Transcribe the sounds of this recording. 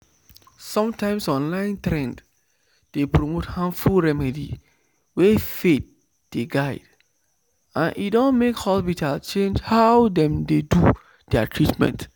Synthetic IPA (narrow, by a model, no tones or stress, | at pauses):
sɔ̃mtãɪ̃msɔ̃nlãɪ̃ntɹɛ̃nd | d̥epɹomothãnfulɹɛmɛdḭ | wefet̚ | d̥eɡaɪd̥ | ãnʔḭtdõnmekhɔspitʰalt͡ʃẽnd͡ʒhaʊdɛ̃mdedu | d̥ɛatʰɹitmɛ̰̃nt